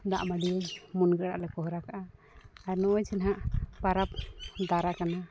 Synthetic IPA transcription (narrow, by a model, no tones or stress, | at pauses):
d̪a̰ʔmaɖiɛmunɡɛɽaʔlɛkɔɦɔɾakaʔa | aɾnɔʔɔjd͡ʒɛnɦaʔpaɾap̚d̪aɾakana